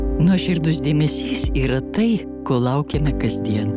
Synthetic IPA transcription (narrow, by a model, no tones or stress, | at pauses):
nuʃʲɪɾd̪ʊs̬d̪ʲieːmʲɛsʲiːsiːɾɐt̪ɐɪ | koːlˠɐʊkʲɛmʲɛkɐzʲd̪ʲiɛn